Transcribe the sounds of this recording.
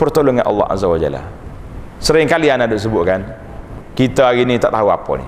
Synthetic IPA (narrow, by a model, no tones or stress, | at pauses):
pərt̪oloŋanʔɑ̰lːɑ̰ha̰zawad͡ʒa̰la̰ | səɾɪŋkalianadʊʔs̬əbʊt̪ʔ̚kan | kit̪aaɡinit̪aʔt̪aua̰pɔ̰nḭ